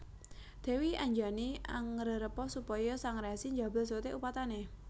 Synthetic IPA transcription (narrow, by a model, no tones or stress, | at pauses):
d̪̥ɛ̤wiaɲd͡ʒania̰ŋːəɾəɾəpɔsupɔjɔsaŋɾeasiɲd͡ʒa̤bə̤ls̬ot̪eʔupat̪ane